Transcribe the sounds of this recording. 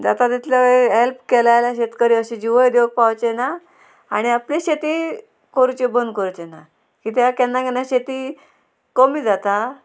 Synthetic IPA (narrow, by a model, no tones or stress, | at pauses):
d͡zat̪at̪it̪ʰljaeɦelpkɛlajlaɕet̪kəɾiəɕẽd͡ʑiʋəjd̪joɡ̚pawt͡ɕena | aɽ̃iapliɕet̪i | koɾut͡ɕebənd̪̚kəɾt͡ɕena | kit̪ʰakɛnːãɡeɳjaɕet̪iː | kəmiːd͡zat̪a